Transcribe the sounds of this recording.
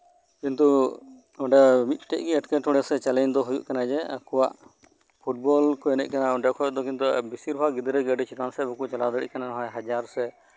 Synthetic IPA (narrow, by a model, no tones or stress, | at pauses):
kint̪u | ɔɖɛmit̪̚ˀʈɛ̰ʔ̚ɡiɛʈkɛʈɔɽɛsɛt͡ʃalɛɲd̪ɔɦujṵʔkanad͡ʒɛa̰kɔwaʔ | pʰuʈ̚bɔlkɔɛnɛ̰c̚ˀkanaɔ̃ɳɖɛkʰɔɛd̪ɔkint̪ubisiɾbʱaɡid̪ɾɛɡɛɖɛt͡ʃʰit̪ansɛbɔkut͡ʃalad̪əɽḭʔkananɔɦɔ̃jɦad͡ʒaɾɔsɛ